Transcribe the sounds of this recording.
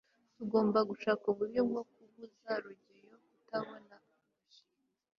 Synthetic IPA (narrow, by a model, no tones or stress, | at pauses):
tuɡo̞ːmbaɡuʃaːkuβuɾjobɡok̚uβuzaɾuɟejokutaβona | i